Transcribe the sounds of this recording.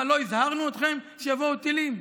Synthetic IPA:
lo̞izhaʁnuot̪χe̞mʃejavo̞wt̪ilim

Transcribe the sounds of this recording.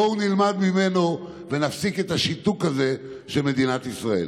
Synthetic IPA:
ounilmad̪mime̞no̞ | venafsike̞t̪aʃit̪ukaze̞ | ʃelme̞d̪inat̪isʁaḛl

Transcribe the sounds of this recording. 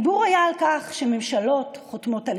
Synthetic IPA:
buʁajaːlkaχʃeme̞mʃalo̞tχotmo̞tal

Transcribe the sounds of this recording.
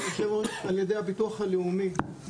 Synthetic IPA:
oʃevaljed̪ejhabituaχaleumi

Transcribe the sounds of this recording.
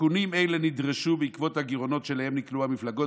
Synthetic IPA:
unimejlenid̪ʁeʃubeikvo̞t̪haɡiʁo̞no̞tʃelahemnikluhamiflaɡo

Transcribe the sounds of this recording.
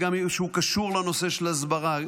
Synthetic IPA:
ɡamiʃeukaʃuʁlano̞se̞ʃelazbaʁa

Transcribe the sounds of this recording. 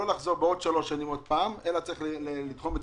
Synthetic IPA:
olaχzo̞ʁbeo̞d̪ʃalo̞ʃanimod̪̚paːmelat͡saʁiχelit̪χo̞mbed

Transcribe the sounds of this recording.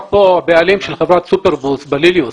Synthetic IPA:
poabealimʃelχevʁat̪supeʁbusbelilijus

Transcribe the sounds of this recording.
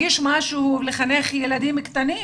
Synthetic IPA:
iʃmaʃuleχaneχjelad̪imkt̪ani

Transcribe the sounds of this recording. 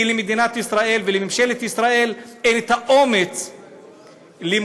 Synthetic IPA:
ilemed̪inat̪isʁaʔe̞lvelemimʃelet̪isʁae̞lenet̪haʔomet͡s | lim

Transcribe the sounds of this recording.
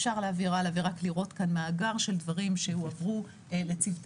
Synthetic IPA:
ʃaʁleaːviʁaleaviʁakliʁo̞tkanmaːɡaʁʃe̞ldvaʁimʃe̞huavʁu | let͡sivt

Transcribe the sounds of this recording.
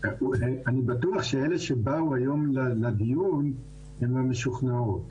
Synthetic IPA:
eanibat̪uaχʃeeleʃebauajo̞mlalad̪ijun | hemameʃuχnaot̪

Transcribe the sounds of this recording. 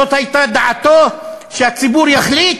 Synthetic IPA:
ot̪hajt̪ad̪aʕat̪oʃeat͡sibuʁjaχlit̪

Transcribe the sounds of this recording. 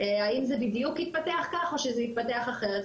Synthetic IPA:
eaimzebid̪jukhit̪̚pat̪e̞aχkaχo̞ʃezehit̪̚pate̞aχaχeʁet̪

